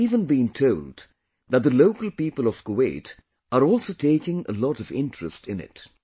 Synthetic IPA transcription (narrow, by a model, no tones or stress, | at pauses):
ivə̃nbĩntʰoʊld | ðət̪̚ðəloʊkəl̩ˠpipəlˠʌv̥koweɪt | ʔəɾɔlˠsotʰeɪkɪ̃ŋə̰lɔɾʌvɪ̰̃ntɹ̥ɨstɪ̃nɪ̰t